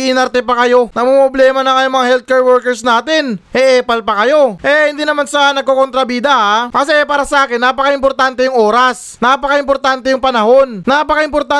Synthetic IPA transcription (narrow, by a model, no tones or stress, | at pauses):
ʔɪnɐɾt̪ɛpɐkɐjo̞nɐmomoblɛːmɐnɐŋɐjʊŋmɐŋahɛlt̪̚kɛːɹwɛɹkɛɾsnaːt̪ɪnʔɛʔɛːpɐlpɐkɐjo̞ʔɛhɪnd̪inɐmansɐnɐɡ̚kokont̪ɾɐbiːd̪ɐhakɐsɛʔɛpaːɾɐsɐʔaːkɪnːapɐkaɪmpoɾt̪ant̪ɛjʊŋʔo̞ːɾɐs | napɐkaʔɪmpo̞ɾt̪aːnt̪ɛjʊŋpɐnɐho̞nːapɐkaʔɪmpo̞ɾt̪a